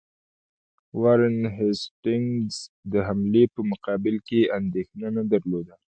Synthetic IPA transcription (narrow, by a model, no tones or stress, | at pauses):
waɾənɦɛsʈɪŋz | d̪əɦamlepəmʊqɑbɪlkeand̪exnanad̪aɾlod̪a